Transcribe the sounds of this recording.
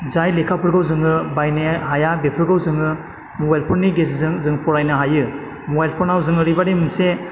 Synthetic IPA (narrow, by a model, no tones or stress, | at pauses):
zajlekʰapʰɯɾɡawzɯŋɯbajneɦajabepʰɯɾɡawzɯŋɯ | mɔbajlpʰɔɾniɡes̬zɯŋzɯŋpʰɔɾajnɯɦajɯ | mɔbajlpʰɔɾnawzɯŋɯɾibademɯnse